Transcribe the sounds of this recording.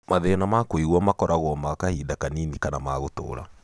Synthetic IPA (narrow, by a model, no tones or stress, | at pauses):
maðɛnamakwiɣwɔmakɔɾaɣwɔmakahiːdakaninikanamaɣoto̰ːɾa̰